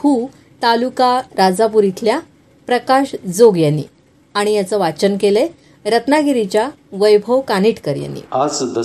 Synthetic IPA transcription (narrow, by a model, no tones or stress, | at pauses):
huː | t̪alukaɾad͡zap̬uɾit̪ʰlja | pɾəkaɕd͡zoɡjanːḭ | ãijat͡səːʋat͡ɕənkele | ɾət̪naɡiɾit͡ɕja | ʋəjbʱəwkaniʈkəɾja̰nːḭad͡zd̪ə